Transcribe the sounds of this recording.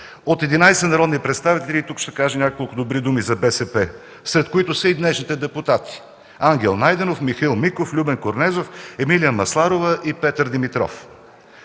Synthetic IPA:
ot̪ɛd̪inajsɛnɐɾɔd̪nipɾɛt̪st̪avit̪ɛlʲit̪ukʃt̪ɛkaʒɛnʲakolˠkʊd̪obɾid̪umizɐbɛsɛpɛ | sɾɛt̪̚koit̪ʊsəid̪nɛʃnit̪ɛd̪ɛput̪at̪i̥ | aŋɡ̟ʲɛlˠnajd̪ɛnofmixilˠmikoflʲubɛnkoɾnɛzofɛmilijəmɐslˠaɾovəʔipɛt̪əɾd̪imit̪ɾɔ̰f

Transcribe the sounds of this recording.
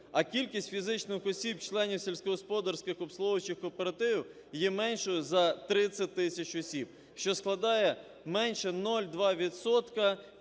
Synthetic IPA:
ɐkʲilʲkʲisʲtʲfʲizɪt͡ʃnɪxɔsʲibt͡ʃlˠɛnʲiwsʲilʲsʲkɔɦɔspɔd̪ɐɾsʲkɪxɔbslˠɔʋɐt͡ʃɪxkɔpeɾɐt̪ɪʋʲiw | jɛmɛnʲʃɔjʊzɐt̪ɾɪt͡sʲːɐt̚ʲt̪ɪsʲɐt͡ʃɔsʲib̥̚ | ʃt͡ʃɔsklˠɐd̪ɑjɛ | mɛnʃɛnɔlʲd̪ʋɑʋʲit̪sɔt̪kɐ

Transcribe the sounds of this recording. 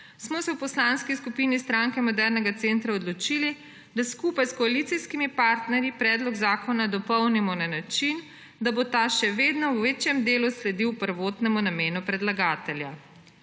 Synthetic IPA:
smɔsɛwpɔslanskiskupiːnist̪ɾaŋkɛmɔd̪ɛɾnɛɡat̪seːnt̪ɾaɔd̪lɔt͡ʃili | d̪askuːpajskɔalit̪siskimipaɾt̪nɛɾjipɾɛːd̪lɔɡzaːkɔnad̪ɔpɔwnimɔnanat͡ʃin | d̪abot̪aʃɛʋeːd̪nɔwʋeːt͡ʃjɛmd̪eːluslɛd̪iwpəɾʋoːt̪nɛmunameːnupɾɛd̪laɡaːt̪ɛlja

